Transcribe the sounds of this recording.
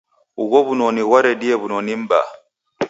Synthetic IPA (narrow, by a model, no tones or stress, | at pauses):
uɣɔβunɔniɣwaɾɛɗiɛβunɔnim̩ba̰